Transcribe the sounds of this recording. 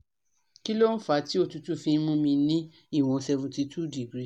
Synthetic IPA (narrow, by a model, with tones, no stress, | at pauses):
ki˦lo˦n̩˦fa˨˦ti˦o˧˨tu˧tu˦fĩ˧˦mũ˧˦mĩ˧nĩ˦ | i˦˨w̃ɔ̃˧sɛ˧vũ˨ti˧tu˦˨di˨ɡɾi˦